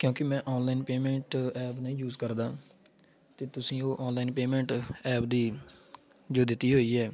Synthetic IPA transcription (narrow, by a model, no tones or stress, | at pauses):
kjõːkɪmɛ̃ːʔɔːnlaːɪnpeːmɛ̃ːɳʈɛːpnəĩːjuːzkəɾd̪aː | t̪eːt̪ʊsĩːoːʔɔːnlaːɪnpeːmɛ̃ːɳʈɛːp̚d̪iː | d͡ʒoːd̪ɪt̪ːiːɦoːiːɛː